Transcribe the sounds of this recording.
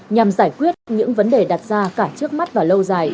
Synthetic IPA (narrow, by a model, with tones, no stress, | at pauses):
ɲa˨˩mzaː˧˩jkwi˦˥ət̚ɲɨ̰˧˥ŋvə˨˦nɗe˨˩ɗa˨˩t̚zaː˧kaː˧˩t͡ɕɨ˦˥ək̚ma˦˥t̚vaː˨˩lə˧wzaː˨˩j